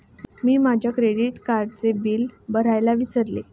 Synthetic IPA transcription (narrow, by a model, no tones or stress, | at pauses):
miːmad͡ʑʱjakɾeɽiʈkaɾɖt͡sebiːlbəɾ̤ajlaʋisəɾle